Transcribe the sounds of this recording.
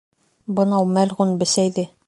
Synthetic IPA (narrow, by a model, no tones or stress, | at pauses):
bɤ̆nɑwmælʁunbɘ̆sæjd̪ɘ